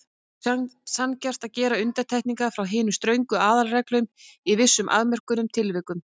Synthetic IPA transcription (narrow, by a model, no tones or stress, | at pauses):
sancɛr̥t̪aðcɛːɾaʏnt̪at̪ʰɛjhk̪niŋkafɾawɦɪːnʏst̪ɾœɥŋkʏaːðalrɛklœɥmivɪsːʏmʔa̰ðmɛr̥kʏnʏmt̪ʰɪlvɪkʏm